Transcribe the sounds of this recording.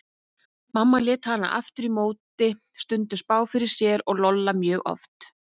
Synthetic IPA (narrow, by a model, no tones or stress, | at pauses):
mamːaljɛːt̪hanːa̰ʔa̰ft̪ʏɾimoːwt̪ɪ | st̪ʏnt̪ʏspaːwfɪɾɪɾ̥sjɛɾɔɣlɔlːamjœːɣʔɔ̰ft̪